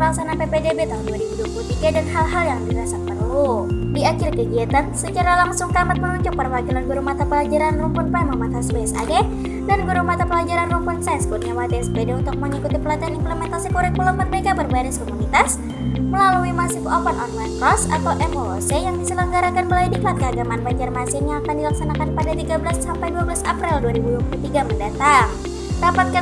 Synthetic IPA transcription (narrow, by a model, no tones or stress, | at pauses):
laksananpepedebet̪aɦʊnduaɾibuduput̪iɡadanɦalɦaljaŋdiɾasapərludiakɪrkəɡiat̪ansət͡ʃaɾalaŋsʊŋkamat̪̚mənuɲd͡ʒʊk̚pərwaɡilanɡuɾumat̪apəlad͡ʒaɾanrumpɔnpamamat̪asbesa̰ɡe | danɡuɾumat̪apəlad͡ʒaɾanrumpɔnsajnskut̪̚ɲawat̪iɛsbedeunt̪ʊk̚məŋikut̪ipəlat̪ianimpləmɛnt̪asikuɾɛk̚pulɔmbərbeɡabərbaɾɪskɔmunit̪as | məlaluimasik̪uɔpanɔrmankɾɔsa̰t̪awʔɛmolosejaŋdisələŋɡaɾakanməlaidikat̪̚kəaɡamanbaɲd͡ʒarmasɪnaakandilaksanakanpadat̪iɡabəlasːampajduabəlasapɾɪlduaɾibuduakulut̪iɡaməndat̪aŋ | dapat̪̚ka